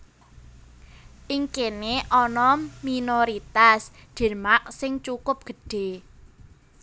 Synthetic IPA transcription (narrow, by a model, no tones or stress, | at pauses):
ʔiŋkeneʔɔnɔminoɾit̪asd̪̥ɛ̤maʔ̚sɪŋt͡ʃukʊp̚ɡ̥ə̤ɖ̥e̤